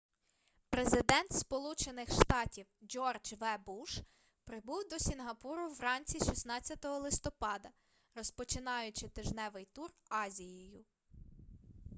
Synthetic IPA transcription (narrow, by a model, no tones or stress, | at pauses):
pɾezɪd̪ɛnt̪spɔlˠut͡ʃenɪxʃt̪ɑtʲiwd͡ʒɔrd͡ʒʋɛbuʃ | pɾɪbuwd̪ɔsʲinɦɐpuɾʊwɾɑnʲt͡sʲiʃisnɑt͡sʲːɐt̪ɔɦɔlˠɪst̪ɔpɑd̪ɐ | rɔspɔt͡ʃɪnɑjʊt͡ʃɪt̪ɪʒnɛʋɪjt̪urɑzʲijɔjʊ